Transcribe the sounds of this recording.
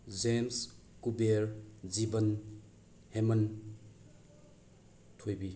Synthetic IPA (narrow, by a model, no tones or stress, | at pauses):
d͡ʒems | kubeɾzibən | hemɐn | tʰojbi